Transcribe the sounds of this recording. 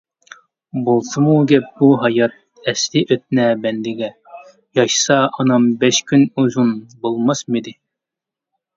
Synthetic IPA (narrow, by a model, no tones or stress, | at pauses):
bolˠsɨmuɡʲɛp̚buɦɑjɑt̪̚ | ɛslɪʔøt̪̚nɛbɛnd̪ɪɡʲɛ | jɑʃsɑɑnɑmbɛʃkʲʰynuzunbolˠmɑsmid̪ɪ